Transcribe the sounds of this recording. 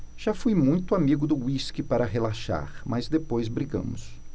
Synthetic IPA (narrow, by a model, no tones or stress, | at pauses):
ʒ̥afujmũj̃t̪ʊamiɡʊd̪ʊwiskɪpaɾɐɦelaʃa̰ɾmɐzd̪epojzbɾiɡɐ̰̃mʊ̰s